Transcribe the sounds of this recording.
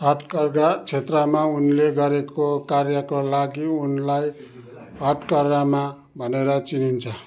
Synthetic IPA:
ɦʌʈ̪kʌrɡat͡sʰet̪rʌmaunleɡʌɾekokarjʌkolaɡiunlaj | ɦʌʈ̪kʌrɡama | bʱʌneɾʌt͡sinint͡sʰʌ

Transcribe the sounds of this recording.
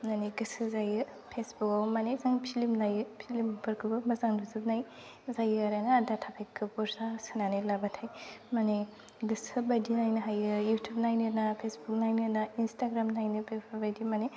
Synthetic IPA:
naneɡɯsɯzajɯ | pʰesbukawmanezaŋpʰilimnajɯpʰilimpʰɯɾkʰɯbɯmɐzaŋdɯzɯb̚naj | zajɯɾajnaːdatʰapʰekʰːɯbuɾzasɯnanelabatʰajmane | ɡɯsɯbɐdinajnɐɦajɯjutʰup̚najneɾnapʰesbuk̚najneɾnainstaɡɾamnajnɯbepʰbajdimane

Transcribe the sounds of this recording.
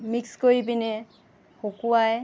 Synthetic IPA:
mikskoɹibinɛ | xokuwaj

